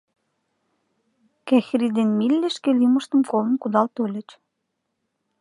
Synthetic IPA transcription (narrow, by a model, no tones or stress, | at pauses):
kæxɾid̪enmilʲːɘ̆ʃkĕlimɤ̆ʃt̪ə̆mkolə̆nkud̪ɑlt̪ølʲɘ̆t͡ɕ